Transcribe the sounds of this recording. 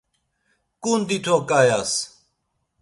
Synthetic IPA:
kuːnd̪it̪ʰoːkaːjaːs

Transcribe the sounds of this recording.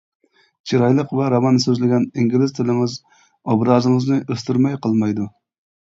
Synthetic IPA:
t͡ʃʰiɾɑjlˠəqvɛɾɑvɑnsøzlɪɡʲɛniŋɡʲilɪzt̪ʰɪlɪŋɪz | ɑbɾɑzɨŋɨznɪʔøst̪yɾmɛjqɨlˠmɑjd̪ʊ

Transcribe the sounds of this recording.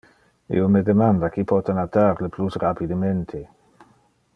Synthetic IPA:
ḭomed̪emand̪akipʰɔt̪enat̪aɾleplusrapid̪emẽnt̪ʰe

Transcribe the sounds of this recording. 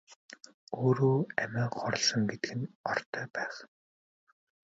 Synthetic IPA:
oːɾoːæmæːχɔɾ̆ɮsɞ̆ŋɡet̪ɘɡɘ̆nɔrt̪ʰœːpæːχ

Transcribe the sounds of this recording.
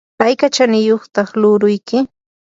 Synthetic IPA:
pajkat͡ʃanɪjoχt̪ɑχlʊɾʊjkɪ

